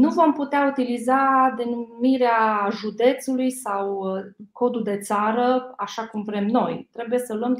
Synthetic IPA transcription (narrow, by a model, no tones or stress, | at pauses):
nuvo̞mput̪eaut̪ilizad̪e̞numiɾeaʒud̪e̞t̪sulujsawko̞d̪ud̪e̞t̪saɾəaʃakumvɾe̞mno̞jt̪ɾe̞buje̞səluəm